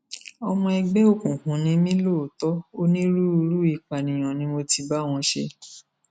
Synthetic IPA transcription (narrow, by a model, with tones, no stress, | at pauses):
ɔ˧mɔ̃˧ɛ˧ɡ͡bɛ˦o˦˨kũ˨kũ˨˦nĩ˦mĩ˦lo˦˨tɔ˦o˦nĩ˦ɾu˦u˧ɾu˦i˦˨k͡pa˨nĩ˨j̃ɔ̃˨nĩ˦mo˧ti˧ba˦˨w̃ɔ̃˧ʃḛ˧